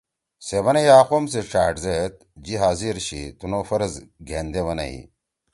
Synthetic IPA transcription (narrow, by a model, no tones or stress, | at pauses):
seʋɐnejaːqoms̬eʂaːʈzet̪̚ | d͡ʑiɦaːziɾɕit̪unofɐɾɐzɡʱḛːnd̪eʋɐnɐ̰ḭ